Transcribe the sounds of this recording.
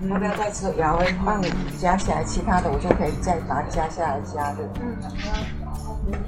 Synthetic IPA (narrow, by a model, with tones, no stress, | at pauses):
jt͡sa˥˧ɪt͡sʰɹ̩˥˩o˨˩jɑ˧˥ʊwe˧˥ɪfɑ˥˩ŋə˨˩˨t͡ɕja˥ɕja˥˩a̰˧˥ɪt͡ɕʰi˧˥t̪ʰa˥d̪ə˨wɔ˨˩t͡ɕjo˥˩ʊkʰɤ˧˥i˨˩t͡sa˥˩ɪ˩t̪a˧˥˨t͡ɕja˥ɕja˥˩la˧˥ɪt͡ɕja˥d̪ə˨˩˥